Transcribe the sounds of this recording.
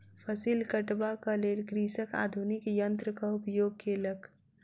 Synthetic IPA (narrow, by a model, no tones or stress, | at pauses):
pʰəsilkəʈbakəlelkɾisəka̰d̪ʱunikjənt̪ɾəkəupəjoɡ̚kelək